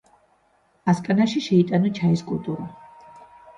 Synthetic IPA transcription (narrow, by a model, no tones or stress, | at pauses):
askʼanaʃiʃɛit̪ʼanɔt͡ʃʰaiskʼulˠt̪ʼuɾa